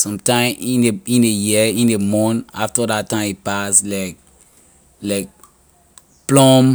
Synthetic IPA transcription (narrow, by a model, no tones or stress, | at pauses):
sɔ̃mtãɪ̃mĩneĩndejiĩndemɔ̃naftədatːãɪ̃mit̚paslaɪk̚ | laɪk̚ | plɔ̃m